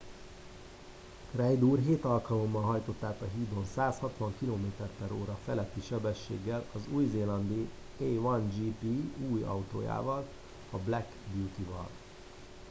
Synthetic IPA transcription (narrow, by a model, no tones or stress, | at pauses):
krɛjd̪uːrɦeːt̪ɒlkɒlo̞mːɒlɦɒjt̪o̞t̪ːaːt̪ɒɦiːd̪o̞nsaːshɒt̪ʋɒŋkiloːmeːt̪ɛrpɛɾoːɾɒfɛlɛt̪ːiʃɛbɛʃːḛːɡːɛlɒzuːjzeːlɒnd̪i | eʋɒnd͡ʒiːpiuːjɒ̰wt̪o̰ːja̰ːvɒl | ɒblɛkbjuːt̪ivɒ̰l